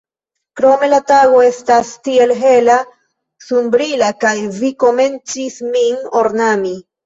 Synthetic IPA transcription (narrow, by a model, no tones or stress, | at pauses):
kɾo̞me̞lataɡo̞e̞stastie̞lɦe̞la | sunbɾilakajviko̞me̞nt͡sismino̞ɾnami